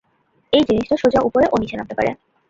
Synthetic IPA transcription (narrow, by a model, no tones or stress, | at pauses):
ejd͡ʑiniʃʈoʃod͡ʑaʔupoɾeʔoniʃenamp̪t̪epa̰ɾḛ